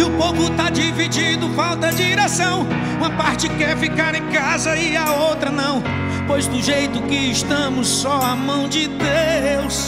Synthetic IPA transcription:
ɪʊpowvʊt̪ad͡ʒivid͡ʒid̪ʊfawt̪ɐd͡ʒiɾesɐ̃w̃ | ũmɐpaɾt͡ʃɪkɛɾfikaɾẽj̃kazɐɪaowt̪ɾɐnɐ̃w̃ | pojzd̪ʊʒejt̪ʊkɪːʃt̪ɐ̃mʊsːɔamɐ̃w̃d͡ʒɪd̪eews

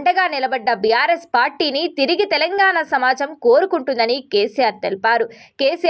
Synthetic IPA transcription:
ɳɖɐɡaːnilɐbɐɖːɐbijaːɾespaːɾʈiːnit̪iɾiɡit̪ɛlɐŋɡaːɳɐsɐmaːd͡ʒɐmko̞ːɾukuɳʈund̪ɐnikeːsijaːɾt̪elipaːɾukeːsi

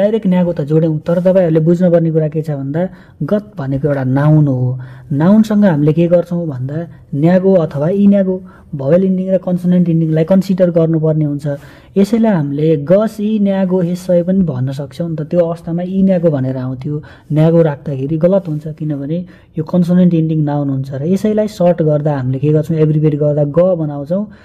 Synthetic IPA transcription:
d̪ajɾeknjaɡot̪ʌd͡zoɽew̃t̪ʌɾʌt̪ʌpãĩɦʌɾulebud͡znʌpʌrnek̬uɾaket͡sʰʌbʱʌnd̪a | ɡʌt̪̚bʱʌnekoewʈanawnɦonawnsʌŋɡʌɦamilekeɡʌrt͡sʰʌw̃bʱʌnd̪a | njaɡoʌt̪ʰʌwainjaɡo | bʱʌweliɳɖiŋrʌkʌnsoneɳʈiɳɖiŋlajkʌnsiɖʌrɡʌrnupʌrneɦunt͡sʰʌ | esʌjlajɦamileɡʌsinjaɡoɦesʌjpʌnibʱʌ̰nːʌs̬ʌk̚t͡sʰʌw̃nt̪ʌt̪joʌʋʌst̪ʰamainjaɡobʱʌneɾʌaw̃t̪ʰijo | njaɡoɾakʰd̪akʰeɾiɡʌlʌt̪ɦunt͡sʰʌkinʌbʱʌne | jokʌnsoneɳʈiɳɖiŋnawnɦunt͡sʰʌɾʌesʌjlajsʌrʈɡʌrd̪aɦamilekeɡʌrt͡sʰʌ̃w̃ebribʱeʈɡʌrd̪aɡʌbʌnaw̃t͡sʰʌw̃

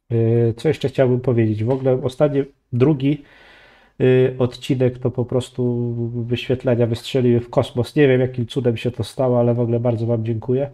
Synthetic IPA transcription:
t̪sɔjɛʂt͡ʂɛxt͡ɕawbɘmpɔvʲjed͡ʑed͡ʑvɔɡlɛɔst̪at̪ɲɛ | d̪ɾuɡʲi | ɔt̪t͡ɕinɛkt̪ɔpɔpɾɔst̪uvɘɕfʲjɛt̪lɛɲavɘstʂɛlʲiwɘfkɔsmɔsɲevʲjɛmjakʲimt̪sud̪ɛmɕɛt̪ɔst̪awɔalɛvɔɡlɛbaɾd̪zɔvamd͡ʑɛŋkujɛ

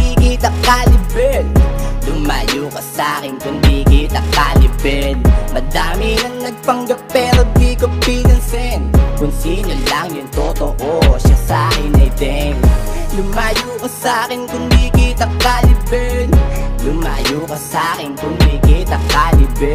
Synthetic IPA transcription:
ikiːt̪ɐkaːlɪbɛnlʊmaːjuːkɐsaːkɪnkʊnd̪ikiːt̪ɐkːalɪbɛlmɐd̪aːmɪnɐŋnɐɡ̚pɐŋɡɐp̚pːɛːɾod̪ikopiːɡɐnsɛnkʊŋsiːɲolɐŋjʊŋt̪ot̪oʔoʃasaːkɪnɐjd̪ɛŋlʊmaːjuːkɐsaːkɪnkʊnd̪iːkiːt̪ɐkalɪbɛnlʊmaːjuːkɐsaːkɪnkʊnd̪ikiːt̪ɐkːalɪbɛ

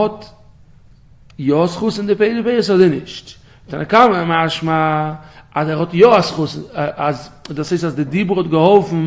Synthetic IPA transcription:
ɔt | jɔsχʊsɪndɪpeɪdɪpeɪɾshɔzɪnɪʃt | tɛnəkaməmaʃma | azɛɾhɔtjɔasχʊsnazduːsheɪstasdɪdibʊɾhɔt̚ɡəhɔlˠfn̩

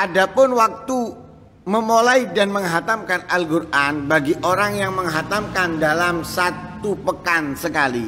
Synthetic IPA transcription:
ʔadapʊnwak̚t̪u | məmolaidanməŋɦat̪amkanalɡurʔanbaɡiʔoɾaŋjaŋməŋɦat̪amkandalamsat̪upəkansəkali

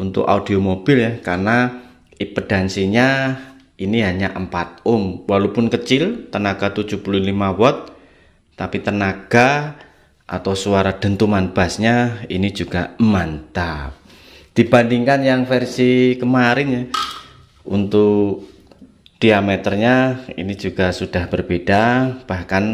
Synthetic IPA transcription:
unt̪ʊ̰ka̰ud̥iomob̥ɪljakarna | ipəd̥a̤nsiɲa | iniɦaɲaʔəmpat̪̚ʊmwalowpʊnkət͡ʃɪlt̪ənaɡ̥at̪u̥d͡ʒ̥upululimawɔt̪̚ː | apit̪ənaɡ̥a | ʔa̰t̪awsuaɾad̪̥ə̤nt̪umanb̥asɲainid͡ʒuɡ̥amant̪a | d̥ibandiŋkanjaŋfərsikəmaɾɪn | ṵnt̪ʊk | d̥iamɛt̪ərɲaḭni̥d͡ʒuɡ̥asud̥ahb̥ərb̥ed̥ab̥ahkan

